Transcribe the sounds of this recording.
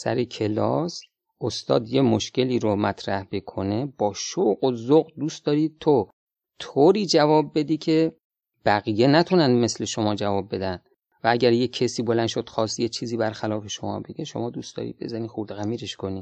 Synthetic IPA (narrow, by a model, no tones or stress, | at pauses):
sæ̰ɾekʰe̞lɒ̰ːs | ost̪ɒ̰ːd̪je̞moʃce̞liːɾomæt̪ʰɾæhbekʰone̞b̥ɒːʃoɣozoɣd̪uːst̪d̪ɒːɾiːt̪ʰo | t̪ʰoːɾiːd͡ʒævɒːb̚ːe̞d̪iːcʰe̞ | b̥æɣijenæt̪ʰunænd̪me̞sle̞ʃo̞mɒːd͡ʒævɒːb̚ːe̞d̪ænd̥̪ | vææɟæɾjekʰːesiːbo̞lænd̪ʃod̪̥xɒːst̪jet͡ʃʰiːziːbæɾxælɒːfe̞ʃomɒ̰ːbeɡeʃo̞̰mɒːd̪uːstd̪̥ɒ̰ɾḭd̪̚be̞̰zæniːxuɾd̪ɣæmiːɾeʃkʰoniː